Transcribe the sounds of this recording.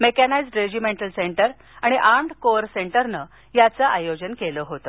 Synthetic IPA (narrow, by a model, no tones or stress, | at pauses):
mekanajd͡zɖɾed͡ʑimeɳʈəlseɳʈəɾ | aɽ̃iʔaɳɖkoɾseɳʈəɾnə | jat͡saʔajod͡ʑənkeləɦot̪ə